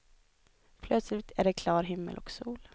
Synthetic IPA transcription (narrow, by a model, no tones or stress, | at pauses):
pʰlœt̪slɪt̪ʰæɖɛkʰlɑːɾɦɪmːə̰lʔɔ̰ksuːl